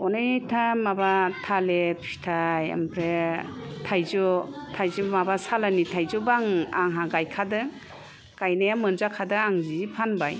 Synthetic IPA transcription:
ɔnɯjtʰamabatʰalepʰi̥tʰaja̰mpʰɾe | tʰajzɔtʰajzɯmabasalanitʰajzɔbaŋaŋɦaɡajkʰadɯ | kajnajamɯnzakʰadɯaŋziipʰanbaj

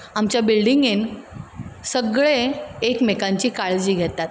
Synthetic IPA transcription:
amt͡ɕjabilɖiŋɡen | səɡɭeekmekãɲt͡ɕiːkaɭd͡ʑiːɡʱet̪at̪

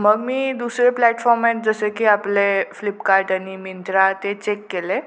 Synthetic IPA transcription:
məɡmiːd̪usɾeplæʈfɔɾmet̪̚d͡zəsekiːapleflipkaɾʈañimint̪ɾat̪et͡ɕekːele

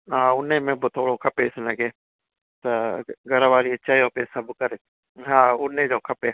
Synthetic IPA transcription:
ɦãːʊnẽːmẽːbot̪ʰoːɽoːkʰɐpeːɪsnəɡeː | t̪ɐɡəɾəʋaːɾiet͡ʃaːjõːpesəbkəɾe | ɦãːʊnːẽːd͡ʒoːkʰɐpeː

